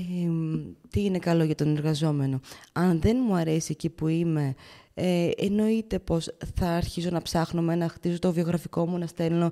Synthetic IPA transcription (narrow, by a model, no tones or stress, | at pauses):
e | t̪iine̞kɐlo̞ʝɐt̪o̞ne̞ɾɣɐzo̞me̞no̞ɐnðe̞nmuɐɾe̞siecipuime̞ | no̞it̪e̞po̞sθɐːɾçiso̞nɐpsɐxnome̞nɐxt̪izot̪o̞vio̞ɣɾɐfiko̞munɐst̪e̞lo̞